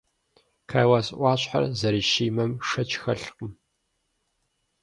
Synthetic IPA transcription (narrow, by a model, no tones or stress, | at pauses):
kʰaːjwaːsʼʔʷɑːɕʼħa̰rzɐɾiːʃiːmɐmʂɐt͡ʃʰʼxɐɬqəm